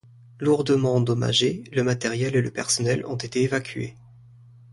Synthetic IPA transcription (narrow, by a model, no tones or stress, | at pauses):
luʁd̪əmɑ̃ɑd̪ɔma̰ʒeləmat̪ɛʁjɛleləpɛʁsɔnɛlɔ̰̃t̪et̪eːvakʲɥḛ